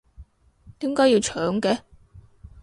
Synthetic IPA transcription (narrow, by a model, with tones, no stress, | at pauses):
t̪iː˨˥mkaː˥jiː˧wt͡ʃʰœː˨˥ŋkɛ˨˧